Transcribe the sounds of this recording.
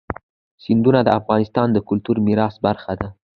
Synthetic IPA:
sɪnd̪unad̪əafɣɑnɪst̪ɑnd̪əkʊlt̪uɾmiɾɑsbaɾxad̪a

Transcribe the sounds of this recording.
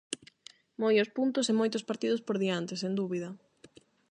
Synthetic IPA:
mojʊspunt̪ʊsemojt̪ʊspaɾt̪iðʊspoɾðiant̪ɪsend̪uβiðɐ

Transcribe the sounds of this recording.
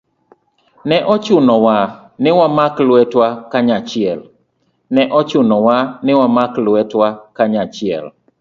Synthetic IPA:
nɛʔɔt͡ʃʊnɔwanɪwamaklʊɛtwakaɲat͡ʃɪɛl | nɛʔɔt͡ʃʊnɔwanɪwamaklwɛtwakaɲat͡ʃɪɛ̰l

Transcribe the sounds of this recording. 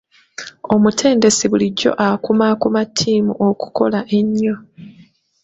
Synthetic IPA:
o̞mutʰe̞ːnde̞siβuliɟːo̞̰ʔakumakumatʰːiːmuʔoku̥ko̞̰laʔe̞ɲːo

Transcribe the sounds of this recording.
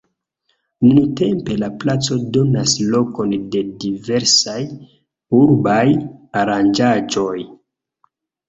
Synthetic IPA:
nunte̞mpe̞laplat͡so̞do̞naslo̞ko̞nde̞dive̞ɾsaj | uɾbajaɾand͡ʒad͡ʒo̞j

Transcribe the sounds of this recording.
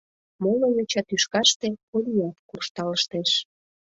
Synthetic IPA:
moləjyt͡ɕɑt̪yʃkɑʃt̪ekolʲijɑt̪kurʃt̪ɑləʃt̪eʃ

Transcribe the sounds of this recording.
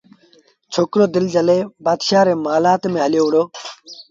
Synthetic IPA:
t͡ʃʰoːkɾoːd̪ɪld͡ʑəleːbaːd̪ʃaːɾeːmaːlaːt̪mẽːɦɐljoːʋɽoː

